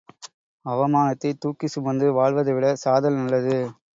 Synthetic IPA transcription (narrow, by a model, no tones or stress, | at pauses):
ɐʋɐmaːnɐt̪ːɐɪt̪ːuːkːisʊmɐnd̪ɯʋaːɭʋɐðɯʋɪɽɐsaːðɐlnɐɭːɐðɯ